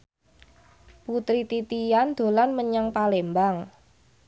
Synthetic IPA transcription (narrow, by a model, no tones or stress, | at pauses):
put̪ɾit̪it̪ijand̪̥o̤lanməɲaŋpalembaŋ